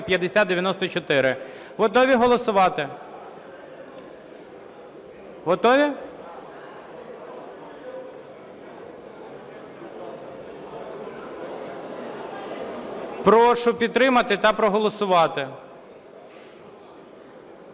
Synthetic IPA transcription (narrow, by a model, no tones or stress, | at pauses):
pʲjɐd̪esʲat̪d̪eʋʲjɐnɔst̪ɔt͡ʃɔt̪ɪɾɪ | ɦɔt̪ɔʋʲiɦɔlˠɔsʊʋɑt̪ɪ | ɦɔt̪ɔʋʲi | pɾɔʃʊpʲid̪̚t̪ːɾɪmɐt̪ɪt̪ɐpɾɔɦɔlˠɔsʊʋɑt̪ɪ